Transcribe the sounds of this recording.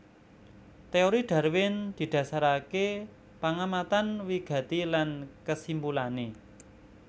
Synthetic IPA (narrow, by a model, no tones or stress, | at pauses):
t̪eoɾiɖ̪̥a̤ɾwɪnd̪̥i̤d̪̥ä̤saɾake | paŋamat̪anwiɡ̥ä̤t̪ilankəsimbulane